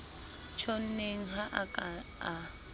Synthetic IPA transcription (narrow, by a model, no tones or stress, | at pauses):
t͡ʃʰon̩neŋ̩ɦaʔkʼaa